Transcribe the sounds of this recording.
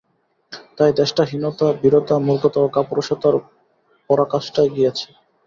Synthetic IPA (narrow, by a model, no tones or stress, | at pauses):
t̪ajd̪ɛʃʈaɦinot̪abiɾot̪amuɾɡot̪aokapoɾoʃat̪aɾ | pɔɾakaʃʈaeɡijet͡ɕʰe̥